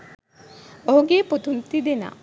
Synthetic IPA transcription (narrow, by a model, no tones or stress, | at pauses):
oɦuɡeput̪unt̪id̪ena̰